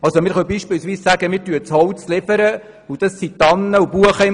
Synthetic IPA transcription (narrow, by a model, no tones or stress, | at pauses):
ɑlsomɪːɾχœwbiːʃpɪwsʋiːssæɡəmɪːɾtyət͡shɔwt͡slɪb̥əɾə | ud̥̪ɑsːit̪ɑnːəubuəχəɪ